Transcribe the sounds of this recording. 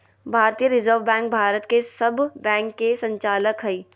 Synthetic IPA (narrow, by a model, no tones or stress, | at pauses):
bʱaːɾt̪ijəɾɪzəɾʋbɛ̃ːŋk̚bʱaːɾət̪kesɐbbɛ̃ːŋkːesə̃ɲt͡ʃaːləkɦəiː